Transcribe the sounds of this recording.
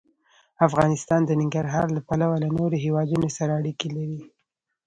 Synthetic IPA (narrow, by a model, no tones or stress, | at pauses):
afɣɑnɪst̪ɑnd̪ənɪŋɡaɾɦɑɾlapalawalanoɾoɦewɑd̪unosaɾaːɽikelaɾi